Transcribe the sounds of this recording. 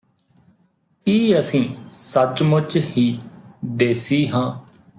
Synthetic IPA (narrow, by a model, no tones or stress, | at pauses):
kiːəsĩːsət͡ʃmʊt͡ʃhiːd̪eːsiːɦãː